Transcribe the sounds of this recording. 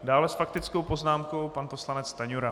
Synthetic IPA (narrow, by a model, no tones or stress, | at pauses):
daːlɛsfak̚t̪ɪt͡sko̞wpo̞znaːmko̞wpanpo̞slanɛt͡st̪aɲuɾa